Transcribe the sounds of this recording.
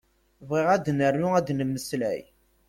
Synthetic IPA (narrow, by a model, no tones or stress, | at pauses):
vʁiʁæd̪nərːʊæd̪nəmːəslæ̰j